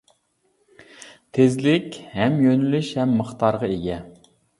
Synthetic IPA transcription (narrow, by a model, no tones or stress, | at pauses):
t̪ʰezlɪkʲhɛmjønylyʃhɛmːəχt̪ʰɑɾʁɑeɡʲɛ